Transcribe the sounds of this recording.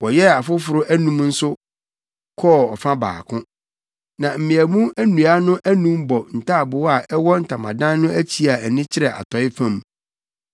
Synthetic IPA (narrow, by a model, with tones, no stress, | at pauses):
wɔ˨jɛ˦a˨fʊ˦fʊ˨ɾʊ˦ʔæ˦nũ˦mn̩˦sʊ˦ | kʰɔ˦˨ɔ˨fã˦ba̰ː˨kʰʊ̃˦ | nã˨m̩˨mɪ̃˨æ˨mũ˦æ˦nũ˨a˦nʊ̃˦ʔæ˦nũ˦mbɔ˨n̩˨tʰa˦˨bʊ˨˦a˨ʔɛ˦wɔ˦n̩˨tʰa˨mã̰˨dã˦nːʊ̃˦æ˦t͡ɕʰi˦a˨ɛ˨nɪ̃˦t͡ɕʰɪ˦ɾɛ˨ʔa̰˨tʰɔ˨˦ɪ˦fã˦˨m